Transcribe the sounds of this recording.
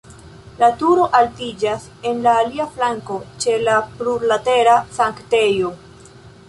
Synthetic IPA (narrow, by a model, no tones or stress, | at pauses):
latuɾo̞ʔaltid͡ʒas | e̞nlaːliaflaŋkot͡ʃe̞lapluɾlate̞ɾasaŋkte̞jo̞